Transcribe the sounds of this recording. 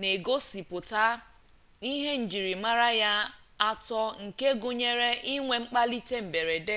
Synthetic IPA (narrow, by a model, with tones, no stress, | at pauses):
ne˨ɡo˦si˨pʊ˨ta˦ | i˦ɦe˦n̩˨d͡ʒi˨ɾi˨ma˦ɾa˦ja˦ | a˦tɔ˦ŋ̩˨ke˦ɡʊ˦ɲe˦ɾe˦i˦ŋʷe˨ŋ͡m̩˦k͡pa˦li˦te˦m̩˨be˨ɾe˨de˦